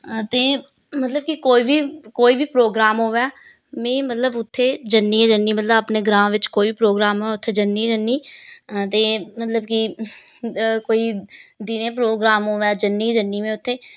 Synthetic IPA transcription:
t̪eː | mət̪ləbkikoːiːʋiːkoːiːʋiːpɾoːɡɾaːmɦoːʋɛː | mẽːmət̪ləbʊt̪ʰːeːd͡ʒənːiːed͡ʒənːiːmət̪ləbapneːɡɾãːʋɪt͡ʃkoːiːʋiːpɾoːɡɾaːmɦoːɛːʊt̪ʰːeːd͡ʒənːiːd͡ʒənːiːt̪eːmət̪ləbki | koːiːd̪inẽːpɾoːɡɾaːmɦoːʋɛːd͡ʒənːiːd͡ʒənːiːmẽːʊt̪ʰːeː

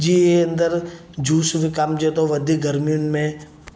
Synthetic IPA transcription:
d͡ʒiːeənd̪əɾ | d͡ʒʱuːsʋikamd͡ʒet̪oʋɐd̪ʱiɡəɾmijʊnmẽ

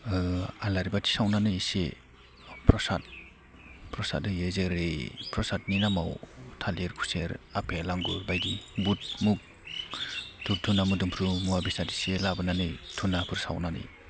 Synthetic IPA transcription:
alaɾibatʰi̥sawnanɯsḛ | pʰɾɔsa̰t̚ | pʰɾɔsa̰t̚dɯjezeɾepʰɾɔsat̚ninamawtʰaleɾkʰu̥seɾapʰelaŋɡuɾbajɡibut̚muk̚ | tʰup̚tʰunamɯdɯmpʰɾumuwabisati̥selabɯnanɯjtʰunapʰɯɾsa̰wnanɯ̰j

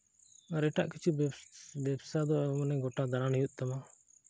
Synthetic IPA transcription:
aɾɛʈaʔkit͡ʃʰubɛbsad̪ɔmanɛɡɔʈad̪aɾanijut̪̚ˀt̪ama

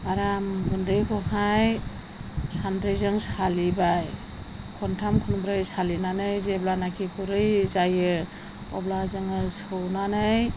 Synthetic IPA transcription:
aɾamɡundɯjkʰɔɦaj | sandɾejzɯŋsalibaj | kʰɔntʰamkʰunumbɾɯjsalinanɯjzeblanakʰikʰuɾɯjzajɯ | ɔblazɯŋɯsɯwnanɯj

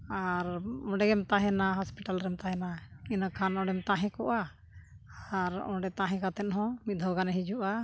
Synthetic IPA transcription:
aɾɔ̃ɖɛɡɛmt̪aɦɛnaɦɔspiʈalɾɛmt̪aɦɛnainakʰanɔ̃ɖɛmt̪aɦɛ̃kɔʔa | aɾɔ̰ɖɛt̪ãɦɛ̃kat̪ɛt̪̚ɦɔ̃mit̪̚d̪ʱɔwɡanɛɦid͡ʒuʔa

